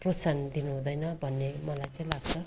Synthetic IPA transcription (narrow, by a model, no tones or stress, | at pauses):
prʌt͡sand̪inuɦũd̪ʌjnʌbʱʌnːemʌlajt͡sãĩlaɡt͡sʰʌ